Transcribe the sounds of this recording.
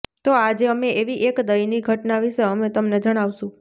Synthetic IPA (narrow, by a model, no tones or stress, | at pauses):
t̪oad͡ʒeəmeeʋiʔekd̪əjniɡʱəʈnaʋiʃeəmet̪əmned͡ʒəɽ̃aʋʃũ